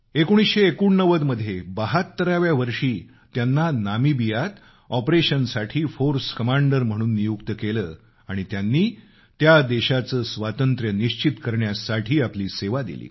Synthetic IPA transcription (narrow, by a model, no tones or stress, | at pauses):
ekoɽ̃isɕeːkuɳːəʋəd̪məd̪ʱːjebaɦat̪ːəɾaʋjaʋəɾʂiː | t̪janːanamibijat̪ | ɔpɾeɕənsaʈʰiːfoɾskəmaɳɖəɾm̤əɽ̃uːnːijukt̪əkeləː | aɽ̃it̪janːiː | t̪jad̪eɕat͡səːsʋat̪ənt̪ɾjəniɕt͡ɕit̪kəɾɳjasaʈʰiːapliːseʋad̪ḭlḭː